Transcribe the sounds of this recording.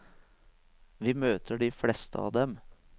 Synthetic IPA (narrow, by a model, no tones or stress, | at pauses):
ʋiːmøːt̪ʰəɖiːflɛst̪ʰəɑ̰ʋd̪ɛm